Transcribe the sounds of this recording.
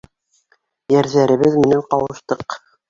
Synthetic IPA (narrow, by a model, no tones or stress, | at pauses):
jæɾðæɾɘ̆βɘðmɘ̆næɴqɑwɤɤ̆ʃt̪ɤq